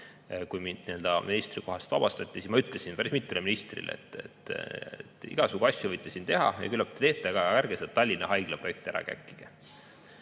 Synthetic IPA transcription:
kujmind̪niø̞ld̪̥ɑmʔinist̪riko̞ɦɑst̪vɑ̰b̥ɑst̪ɑt̪ʲˑːisismɑyt̪ˑlesinpæɾismit̪ːˑuleminist̪rḭlḛḛt̪ːˑḛt̪ːet̪ːˑḭɡ̥ɑsuɡ̥uɑsʲjuvɤjt̪ːˑesint̪e̞ɦɑ̰jɑ̰kylːɑp̚t̪ːe̥t̪e̞ːt̪ːˑeɡɑɑærɡeset̪ːɑlʲːinːɑɦɑjɡ̥leproek̚t̪æɾʔɑ̰kæ̰kːˑi̥ɡ̥e

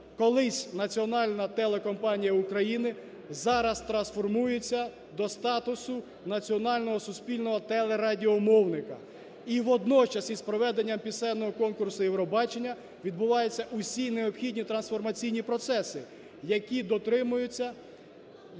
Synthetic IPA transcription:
kɔlˠɪsʲnɐt͡sʲiɔnɑlʲnɐt̪ɛlˠekɔmpɑnʲijɐukɾɐjinɪ | zɑɾɐst̪ɾɐnsfɔrmujet͡sʲːɐ | d̪ɔst̪ɑt̪ʊsʊ | nɐt͡sʲiɔnɑlʲnɔɦɔsʊsʲpʲilʲnɔɦɔt̪ɛlˠeɾɑdʲiɔmɔwnɪkɐ | iʋɔd̪nɔt͡ʃɐsʲispɾɔʋɛd̪enʲːɐmpʲisɛnːɔɦɔkɔnkʊrsʊjɛwɾɔbɑt͡ʃenʲːɐ | ʋʲid̪bʊʋɑjʊt͡sʲːɐʔʊsʲineɔpxʲidʲnʲit̪ɾɐnsfɔrmɐt͡sʲijnʲipɾɔt̪sɛsɪ | jɐkʲid̪ɔt̪ɾɪmʊjʊt͡sʲːɐ

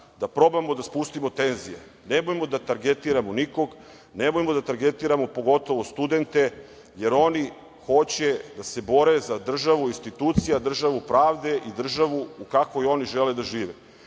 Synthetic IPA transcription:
d̪apɾo̞bamod̪aspust̪imo̞t̪e̞nzijḛ | nemojmo̞d̪at̪aɾɡet̪iɾamoniko̞ɡ | nemojmod̪at̪aɾɡe̞t̪iːɾamo̞po̞ɡo̞t̪o̞ʋost̪ud̪e̞nt̪e̞ | je̞ɾo̞ni | xo̞t͡ɕed̪ase̞bo̞ɾe̞zad̪r̩ʒaʋuinst̪it̪uːt̪sijad̪r̩ʒaʋupɾaːʋd̪e̞ʔid̪r̩ʒaʋuukakʋojo̞niʒe̞led̪aʒiːʋe

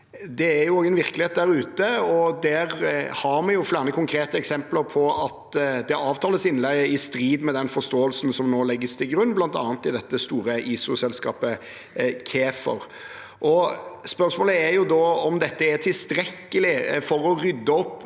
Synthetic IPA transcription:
d̪ɛæɾjʊoɡənʋɪɾkəlɪeːt̪d̪æɾʉːt̪əɔd̪æɾhɑɾmɛjʊflæːɾɑnəkʰʊŋkʰɾeːt̪əɛksɛmpləɾpʰɔɑt̪d̪ɛɑːʋt̪ʰɑːləsɪnːlɛɡɪst̪ɾiːd̪mɛd̪ɛnfɔst̪oːəlsnsɔmnoːlɛɡːəst̪ʰɪlɡɾʉnːblɑnt̪ɑ̰ːnt̪ɪd̪ɛt̪ːəst̪uːɾəʔiːsʊsɛlskɑ̰ːpə | kʰeːfə̰ɾ | ʔɔspœɾsmoːləæɾjʊd̪ɔːɔmd̪ɛt̪ːəæt̪ʰɪlst̪ɾɛkːəlɪfɔɾɔɾʏd̪ːəɔpː

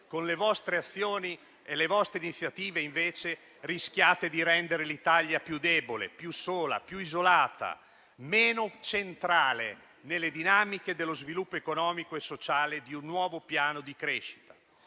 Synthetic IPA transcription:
konlevɔst̪ɾeat̪sːjoːni | elevɔst̪ɾeinit̪sːjat̪iːveiɱveːt͡ʃe | risk̟jaːt̪ed̪iɾɛnd̪eɾelit̪aljapjud̪ɛːbolḛpjusoːla̰pjuizolaːt̪a̰ | meːnot͡ʃent̪ɾaːle | nelːed̪inaːmik̟ed̪elːozvilupːoekonɔːmikoesːot͡ʃaːled̪iunːwɔːvopjaːnod̪ikɾeʃi̥t̪ḁ

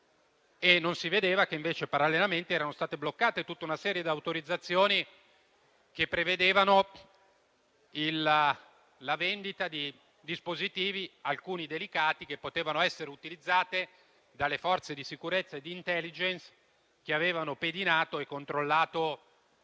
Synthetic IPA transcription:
enːonsived̪eːvak̟eiɱveːt͡ʃepaɾalːenament̪iɛːɾanost̪aːt̪eblokːaːt̪et̪ut̪ːaunasɛːɾjed̪iawt̪oɾid̪zːat̪sːjoːni | k̟epːɾeved̪eːvano | il | lavend̪it̪ad̪i | d̪ispozit̪iːvialkuːnid̪elikaːt̪ikepːot̪eːvanoɛsːeɾeut̪ilid̪zːaːt̪e | d̪alːefɔrt̪sed̪isikuɾet̪sːaed̪ːiːnt̪ɛlːid͡ʒens | k̟eaveːvanoped̪inaːt̪oekːont̪ɾolːaːt̪o

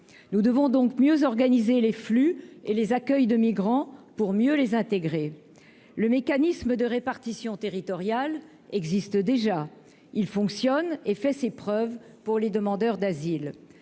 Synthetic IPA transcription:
nud̪əvɔ̃d̪ɔ̃kmjøzɔʁɡanizeleflyelezakʲœjd̪əmiɡʁɑ̃puʁmjølezɛ̃t̪eɡʁe | ləmekanisməd̪əʁepaʁt̪isjɔ̃t̪eʁit̪ɔʁjal | ɛɡzist̪d̪eʒa | ilfɔ̃ksjɔnefɛsepχœvpuʁled̪əmɑ̃d̪œʁd̪azil

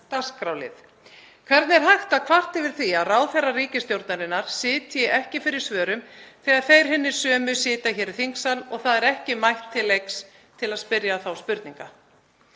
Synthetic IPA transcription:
t̪askɾawlɪ̰θ | kʰv̥ɛɾt̪nɪɛɾ̥ɦajxt̪aðkʰvar̥t̪ɪvɪɾ̥θiaðraːwθɛrːariːcɪst̪jowɾt̪naɾɪnːaɾ̥sɪːt̪jɪʔɛhcɪfɪɾɪɾ̥svœːɾʏmθɛːaðθejɾ̥ɦɪnːɪ̥sœːmʏsɪːt̪açɛːɾθiŋksalɔɣθaðɛɾɛhcɪmajht̪ʰːɪlːejks | t̪ʰɪlaðspɪɾjaθawspʏɾt̪niŋka

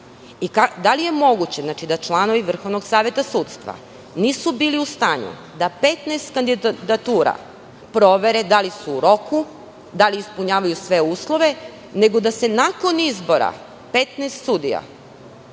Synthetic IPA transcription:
ikad̪alije̞mo̞ɡut͡ɕeznat͡ʃid̪at͡ʃlˠano̞ʋiʋr̩xo̞ʋno̞ɡsaːʋje̞t̪asuːt̪st̪ʋa̰ | niːsubiːliust̪aːɲṵ | d̪ape̞t̪nest̪kand̪id̪at̪uːɾa̰ | pɾo̞ʋe̞ɾed̪alisuːɾo̞ku | d̪aliːspuɲaːʋajusʋe̞uːslˠo̞ʋe̞ | ne̞ɡod̪ase̞nako̞nizbo̞ɾa̰ | pe̞t̪neːst̪sud̪ija̰

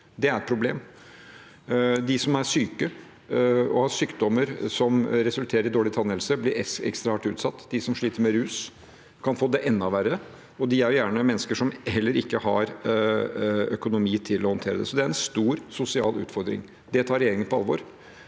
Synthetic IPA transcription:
d̪ɛæɾɛt̪̚pʰɾʊblḛːm | d̪ɪsɔmæɾʂyːkə | ɔhɑʂyːkd̪ɔmːəɾsɔmɾɛsʉlt̪ʰeːɾəɾɪd̪oːɭɪt̪ʰɑnːɛlsəblɪɾɛɛ̰kst̪ɾɑɑʈʉːt̪sɑt̪ːd̪ɪsɔmʂɭiːt̪əɾmɛɾʉːs | kʰɑnfoːd̪ɛʔɛnːɑʋæɾə | ɔd̪ɪæɾjʊjæːɳəmɛnːəskəʂɔmhɛlːəɾɪkːəhɑɾ | œkʊnʊmiːt̪ʰɪlɔhɔnt̪ʰeːɾəd̪ɛ̰sɔd̪ɛæɾɛnst̪uːɾsʊsɪɑ̰ːlʉ̰ːt̪fɔɾd̪ɾɪ̰ŋ | d̪ɛt̪ʰɑːɾɛjeːɾɪŋənpʰɔɑlːʋo̰ːɾ

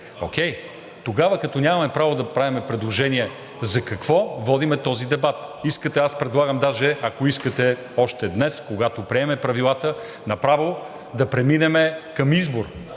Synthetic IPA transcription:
o̰kʲɛj | t̪oɡavɐkɐt̪ɔnʲamɐmɛpɾavod̪ɐpɾavimɛpɾɛd̪lˠoʒɛniɛ | zɐkɐkvɔvɔd̪imɛt̪ɔzid̪ɛbat̪iskət̪ɛaspɾɛd̪lˠaɡəmd̪aʒɛɐkoiskət̪ɛ | ɔʃt̪ɛd̪nɛskoɡat̪opɾiɛmɛpɾɐvilˠat̪ə | nɐpɾavo | d̪ɐpɾɛminɛmɛkɐmizboɾ

